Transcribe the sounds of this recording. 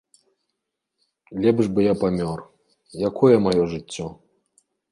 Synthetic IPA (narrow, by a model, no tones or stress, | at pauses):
lʲɛbʐbɨjapamʲɔr | jakʰɔjɛmajɔʐɨt͡sʲːɔ